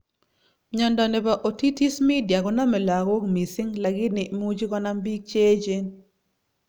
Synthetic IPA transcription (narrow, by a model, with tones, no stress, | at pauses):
ɲɔ˨ndɔ˨nɛ˨pa˨ʔo˨ti˦ti˦smi˦dja˨ɡɔ˦na˦mɛ˨la˨ɡo˦ɡmi˨sɪ˦ŋla˨ɡɪ˦nɪ˨mu˦d͡ʒi˦kɔ˦na˦mbi˦ɡ̚t͡ʃe˦d͡ʒe˦n